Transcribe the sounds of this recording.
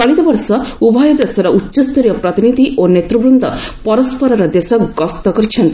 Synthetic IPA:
kaɭit̪ɔbɔɾsɔubʱajɔd̪esɔɾɔʔutːʃɔst̪uɾijɔpɾɔt̪inid̪ʱiʔonet̪ɾubɾund̪ʱɔpɔɾɔspɔɾɔɾɔd̪esɔɡɔst̪ɔkɔɾt͡ʃʰɔnt̪

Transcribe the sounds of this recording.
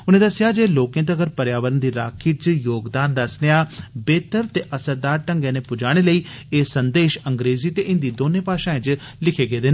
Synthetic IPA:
ʊnẽːd̪əsɪjaːd͡ʒeːloːkẽːt̪ːɡəɾpəɾjaːʋəɾənd̪iːɾaːkʰiːt͡ʃjoːɡd̪aːnd̪əsneaːbeːt̪əɾt̪eːʔəsəɾd̪aːɾʈəŋɡẽːneːpʊd͡ʒaːɽ̃eːləiː | eːsənd̪eːʃəŋɡɾeːziːt̪eːʔɪnd̪iːd̪oːnẽːpaːʃãːẽːt͡ʃ | lɪkʰeːɡeːd̪ɪn

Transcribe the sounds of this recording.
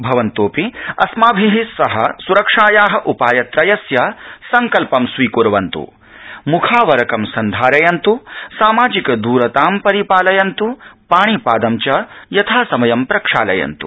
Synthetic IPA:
bʱɐʋɐnt̪oːpiɐsmaːbʱiɦisɐɦɐ̰suɾɐkʂaːjaːɦɐ̆ʔupaːjɐt̪ɾɐjɐsjɐsɐŋkɐlpɐmsʋiːkuɾʋɐnt̪ṵ | mukʰaːʋɐɾɐkɐmsɐnd̪ʱaːɾɐjɐnt̪usaːmaːd͡ʒikɐd̪uːɾɐt̪aːmpɐɾipaːlɐjɐnt̪upaːɳ̃ipaːd̪ɐmt͡ʃɐjɐt̪ʰaːsɐmɐjɐmpɾɐkʂaːlɐ̰jɐ̰nt̪ṵ

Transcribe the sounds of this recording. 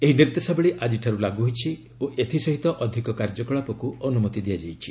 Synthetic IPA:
eɦiniɾt̪esabeɭiʔad͡ʒiʈʰaɾulaɡuɦojt͡ʃʰi | oʔet̪ʰisɔɦit̪ɔʔɔd̪ʱikɔkaɾd͡ʒɔkɔɭapɔkuɔnumɔt̪id̪ijad͡ʒajt͡ʃʰi̥

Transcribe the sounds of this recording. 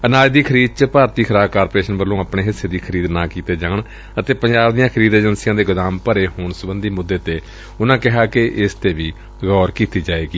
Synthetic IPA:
ənaːd͡ʒd̪iːkʰəɾiːd̪̚t͡ʃəpaːɾt̪iːkʰəɾaːbkaːɾpoɾeːʃənbəlːõːaːpɳeːɦɪseːd̪iːkʰəɾiːd̪naːkiːt̪eːd͡ʒaːɳ | ət̪eːpəɲd͡ʒaːbd̪ijãːkʰəɾiːd̪eːd͡ʒənsɪjãːd̪eːɡʊd̪aːmpəɾeːhoːɳsəbənd̪iːmʊd̪ːeːt̪eː | ʊnãːkɪɦaːkɪʔɪst̪eːʋiː | ɣɔːɾkiːt̪iːd͡ʒaːeːɡiː

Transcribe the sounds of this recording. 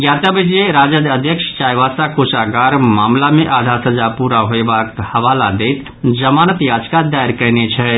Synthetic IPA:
jaːt̪əbid͡ʒeɾaːd͡ʒəd̪əd̪ʱjəkʃt͡ʃaːjʋaːsakoːʃaɡaːɾmaːmlamẽʔaːd̪ʱaːɾsɐd͡ʒapuːɾaɦoebaːkhɐʋaːlad̪eːt̪ | d͡ʒəmaːnət̪jaːd͡ʒkad̪aɪɾkənet͡ʃʰɛ

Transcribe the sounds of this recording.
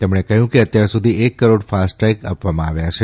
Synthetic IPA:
t̪emɽ̃ekəɦjũkeət̪jaɾsud̪ʱiekːəɾoɽfasʈɾajka̰pʋamãːʋjat͡ʃʰe

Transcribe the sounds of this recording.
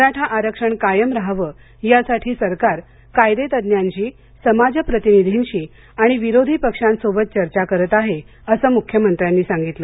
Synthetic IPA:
əɾaʈʰaʔaɾəkʂəɳkajəmɾaɦʋə | jasaʈʰiːsəɾkaɾ | kajd̪et̪əd̪njaɲt͡ɕiː | səmad͡ʑəpɾət̪inid̪ʱinɕiː | aɽ̃iʋiɾod̪ʱipəkʂãnsobət̪̚t͡ɕəɾt͡ɕakəɾət̪aɦe | əsəːmukʰːjəmənt̪ɾjanːiːsaŋɡit̪lə

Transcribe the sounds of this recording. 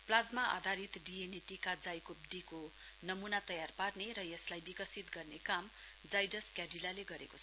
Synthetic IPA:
plad͡zmaʔa̰d̪ʱaɾit̪ɖieneʈikad͡zajkop̚ɖiko | nʌmunat̪ʌjarparneɾʌjeslajbikʌsit̪ɡʌrnekam | d͡zajɖʌskjaɖilaleɡʌɾekot͡sʰ

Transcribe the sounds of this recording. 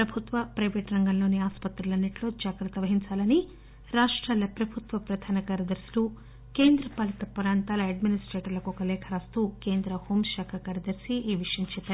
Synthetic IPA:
pɾɐbʱut̪ʋɐpɾɐjʋeːʈɾɐŋɡɐmlo̞ːniaːspɐt̪ɾɐlɐnːɐʈlo̞ːd͡ʒaːɡɾɐt̪ɐʋɐɦiɲt͡ʃaːlɐni | ɾaːʂʈɾaːlɐpɾɐbʱut̪ʋɐpɾɐd̪ʱaːnɐkaːɾjɐd̪ɐɾsilu | ke̞ːnd̪ɾɐpɐlɐt̪ɐpuɾaːnt̪aːlɐɐɖminisʈɾeːʈɐlɐkuɔkɐlɛːkʰɐɾaːst̪uːke̞ːnd̪ɾɐho̞ːmʃaːkʰɐkaːɾjɐd̪ɐɾsiiːʋiʂɐjɐmt͡ʃɛpːaːɾu

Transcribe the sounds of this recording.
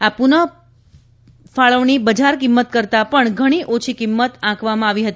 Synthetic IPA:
apunə | faɭəʋɳibəd͡ʒaɾkimːət̪̚kəɾt̪apəɳɡʱəɽ̃iʔot͡ʃʰikimːət̪ãkʰʋamãaʋiɦət̪i

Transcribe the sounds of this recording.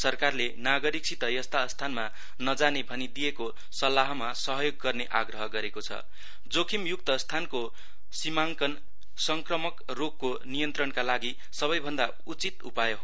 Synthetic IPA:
sʌrkarlenaɡʌɾik̚sʰit̪ʌjʌst̪ast̪ʰanma | nʌd͡zanebʱʌnid̪ijeko | sʌlːaɦmasʌɦʌjoɡːʌrneʔaɡrʌɦʌɡʌɾekot͡sʰʌ̰ | d͡zokʰimjuk̚t̪ʌst̪ʰanko | simaŋkʌn | sʌŋkrʌmʌk | rokːo | nijʌnt̪rʌnkalaɡi | sʌβʌjbʱʌnd̪a | ut͡sit̪ṵpajʌɦo

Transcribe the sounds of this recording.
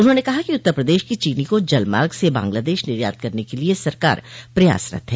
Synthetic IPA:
ʊnɦõnekɐɦakiʊt̪ːəɾpɾɐd̪eːʃkit͡ʃiːnikod͡ʒɐlma̰ːɾɡsebã̰ːŋɡlaːd̪eːʃnɪɾja̰ːɾt̪̚kɐɾnekeliesɐɾka̰ːɾpɾɐja̰ːsɾɐ̰t̪ɦɛː

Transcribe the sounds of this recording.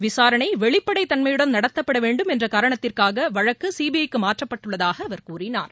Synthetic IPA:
ʋɪsaːɾɐɳɐɪʋɛɭɪpːɐɽɐɪt̪ːɐnmɐjɪɽɐmnɐɽɐt̪ːɐpːɐɽɐʋeːɳɖɯmɛndrɐkaːɾɐɳɐt̪ːɪrkaːɣɐʋɐɻɐkːɯsiːbiɐjkːɯmaːʈrɐpːɐʈːɯɭːɐðaːɣɐːʋɐɾkuːrɪna̰ːɾ

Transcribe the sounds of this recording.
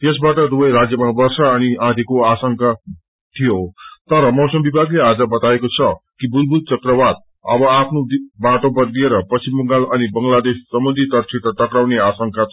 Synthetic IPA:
t̪esbaʈʌd̪ubʌjɾad͡zjʌmabʌrsaːniãt̪ʰikoasʌŋka | t̪ʰijot̪ʌɾʌmʌwsʌmbibʱaɡlead͡zʌbʌt̪aekot͡sʰʌkibulbult͡sʌkrʌbad̪̚ | ʌ̰bʌapʰnod̪baʈobʌd̪lieɾʌpʌsimːʌŋɡalʌnibʌŋɡlad̪esːʌmbʌnd̪ʱit̪ʌrt͡sʰiʈ̪ʌʈ̪ʌkɾawneasʌŋka

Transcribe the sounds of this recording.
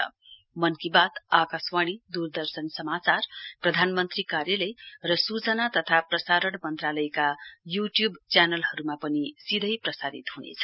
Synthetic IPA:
mʌnkibat̪akaswaɽ̃id̪urd̪ʌrsʌnsʌmat͡sarprʌd̪ʱanmʌnt̪rikarjʌlʌjrʌsut͡sʌnat̪ʌt̪ʰaprʌsaɾʌɽmʌnt̪ralʌjkajuʈjubt͡sjanʌlhʌɾumapʌnisid̪ʱʌjprʌsad̪it̪ɦunḛt͡sʰʌ̥

